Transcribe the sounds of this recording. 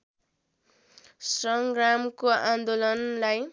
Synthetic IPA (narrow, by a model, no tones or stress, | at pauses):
srʌŋɡramkoand̪olʌnlaj